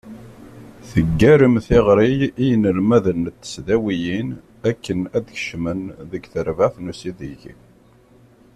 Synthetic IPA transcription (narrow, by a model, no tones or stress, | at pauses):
θəɡːæɾəmθɪʁɾijijənəlmæðənt̪ːə̥sðæwijin | ækːənæd̪çʃmənðəɡθəɾvaθnusiðiʝḭ